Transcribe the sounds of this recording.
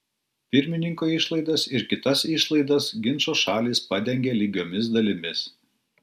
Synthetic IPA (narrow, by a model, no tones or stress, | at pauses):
pʲɪɾʲmʲɪnʲɪŋkoːɪʃlˠɐɪd̪ɐsɪɾkʲɪt̪ɐsɪʃlˠɐɪd̪ɐsɡʲɪnˑʃoːʃɑːlʲiːspɐd̪ʲɛŋʲɡʲelʲɪɡʲoːmʲɪs̬d̪ɐlʲɪmʲɪs